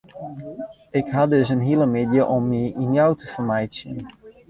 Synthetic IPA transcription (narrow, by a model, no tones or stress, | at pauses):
ɪkɦɑdɵsənɦiləmɪdjəʔɔmːiinjawtʰəfərmɛjtsjə̰n